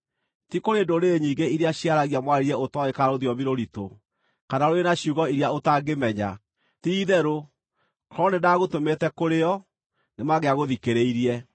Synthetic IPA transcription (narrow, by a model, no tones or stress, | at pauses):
tikoɾendoɾeɲiːɡeiɾeaɕiaɾaɣiamwaɾiɾɛotɔekaɾoðjɔviɾoɾito̰ | kanaɾoenaɕjuɣɔiɾjaotaɡemɛɲa̰ | tiːðɛɾo | kɾɔnenaɣotometɛkoɾeɔ | nemaɣeaɣoðikeɾeiɾiɛ